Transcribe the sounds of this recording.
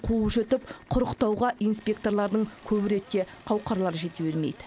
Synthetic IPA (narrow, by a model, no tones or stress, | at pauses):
qʰuʒɵt̪ɪp̚qʰʊɾəqt̪ɑwʁɑʔijnspʲe̞kt̪o̞rlˠɑɾd̪əɴkʲʰɵbɪɾe̞t̪̚kʲe̞qʰɑwqɑɾlˠɑɾəʒe̞t̪ebeɾmḛjd̪ɪ